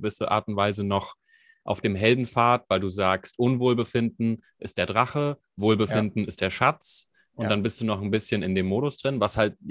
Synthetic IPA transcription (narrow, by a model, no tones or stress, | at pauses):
vɪsəʔa̰ːɐtʊntv̥aɪzənɔχ | ʔa̰ʊfd̥eːmɦɛldn̩faːɐtv̥aɪlduːzaːkstʔʊnvoːlbəfɪndn̩ | ʔɪstd̥eːɐdʁaχə | voːlbəfɪndn̩ɪst̚d̥eːɐʃat͡s | ʔʊntd̥anbɪstd̥uːnɔχnbɪsçənɪndeːmːoːɾʊsd̥ʁɪnvashalt̚